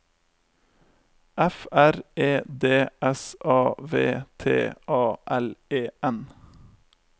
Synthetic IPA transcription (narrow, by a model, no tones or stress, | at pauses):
ʔɛfæɾeːd̪eːɛsʔɑːʋḛːt̪ʰḛːʔɑːʔɛleːɛn